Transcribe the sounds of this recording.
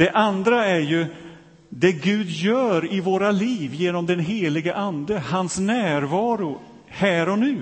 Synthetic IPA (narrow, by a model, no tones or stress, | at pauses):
d̪̥ɛʔand̪ɾaæɾjɵ | d̪ɛɡʉ̟ːd̪jœːɾɪvoːɾaliːvjeːnɔmd̪ɛnɦeːlɪɡəʔand̪əhansnæːɾvɑːɾʊ | hæːɾɔnʉ̟ː